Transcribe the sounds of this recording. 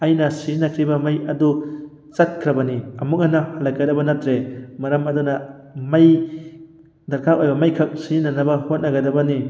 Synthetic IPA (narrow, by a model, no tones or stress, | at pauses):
ɐjnɐsizinɐkʰɾibɐmajɐdu | t͡ʃɐt̚kʰɾɐbɐniɐmuk̚nanɐhalːɐkadɐbɐnɐtɾemɐɾɐmɐdunɐmaj | d̪ɐɾkʰapʔojbɐmɐjkʰɐk̚sizinanɐbɐhot̚nɐɡɐdɐbɐni